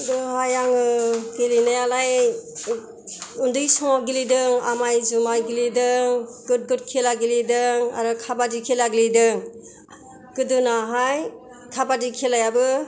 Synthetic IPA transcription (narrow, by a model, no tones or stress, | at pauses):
dɯɦajaŋɯkelinajalaj | undɯjsɔŋaɡilidɯŋa̰majzumajɡilidɯŋɡut̚ɡut̚kʰelaɡilidɯŋa̰ɾɯkʰabadikʰelaɡilidɯŋ | kɯdɯnaɦaj | kʰabadikʰelajabɯ